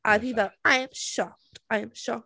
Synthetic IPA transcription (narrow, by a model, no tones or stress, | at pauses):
ʔaɪiðaãɪɨ̃mʃɑk̚tãɪɨ̃mʃɑk̚